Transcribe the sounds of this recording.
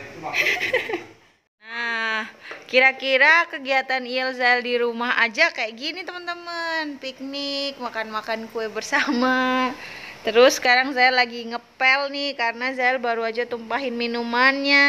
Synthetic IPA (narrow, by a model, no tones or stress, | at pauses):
nahkiɾakiɾakəɡiat̪aniɛlzaɛldiɾumaha̰d͡ʒakajaʔɡinit̪əmənt̪əmənpik̚nɪk̚makanmakankuɛbərsama | t̪əɾʊsːə̥kaɾaŋzaɛlaɡiŋəpɛlnihkaɾənazaɛlbaɾuad͡ʒat̪umpaɦɪnminumanɲa